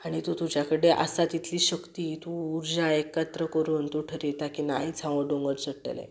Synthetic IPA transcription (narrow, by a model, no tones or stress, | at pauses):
aɽ̃it̪ut̪ud͡ʑjakəɽeʔa̰sat̪it̪ʰliːɕəkt̪iːt̪uːɾd͡ʑaekːət̪ɾəkəɾuːnt̪uʈʰəɾit̪akinaɦid͡zʰʱãʋəɖõŋɡəɾt͡səʈːə̰lḛ̃